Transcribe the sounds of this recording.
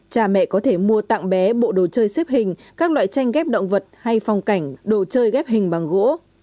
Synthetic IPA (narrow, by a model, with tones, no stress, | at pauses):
t͡ɕaː˨˩mɛ̰˧˨kɔ˨˦t̪ʰe˧˩mu˧ət̪a̰˧˨ŋɓɛ˨˦ɓo̰˧˨ɗo˨˩t͡ɕəː˧jse˦˥p̚hï˨˩ŋ̟kaː˦˥k̚lwa̰ː˧˨jt͡ɕa˧jŋ̟ɣɛ˦˥p̚ɗə̰˧˨wŋ͡mvə˨˩t̚ha˧jfa˨˩wŋ͡mka˧˩jŋ̟ɗo˧˩t͡ɕəː˧jɣɛ˦˥p̚hï˨˩ŋ̟ɓa˨˩ŋɣo̰˧˥